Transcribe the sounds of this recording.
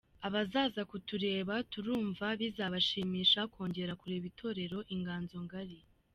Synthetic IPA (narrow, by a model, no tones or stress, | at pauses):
aβazaːzakutuɾe̞ːβatuɾuːɱvaβizaβaʃiːmiːʃakwo̞ːɲɟe̞ɾakuɾe̞ːβitʰo̞ɾe̞ɾo̞ʔiŋɡaːnzo̞ŋɡaɾi